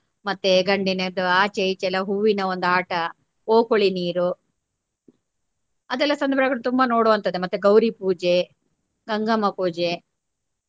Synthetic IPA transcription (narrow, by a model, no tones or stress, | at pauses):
mɐt̪ːeɡɐɳɖinɐd̪uaːt͡ʃejit͡ʃɛlːɐɦuːʋinɐond̪aːʈɐ | oːkoɭiniːɾu | ɐd̪ɛlːɐsɐnd̪ɐbɾɐɡɐɭut̪umbɐno̞ːɽoːʋɐnt̪ɐd̪emɐt̪ːeɡɐwɾipuːd͡ʒe̞ | ɡɐŋɡɐmɐpuːd͡ʒe